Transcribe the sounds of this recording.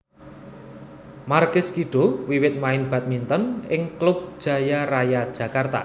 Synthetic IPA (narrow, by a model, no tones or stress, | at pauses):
markɪskiɖ̥o̤wiwɪt̪̚maɪnb̥a̤t̪̚mint̪ənɪŋklʊb̚d̥ʒ̥ä̤jarajad̥ʒ̥ä̤kart̪a̰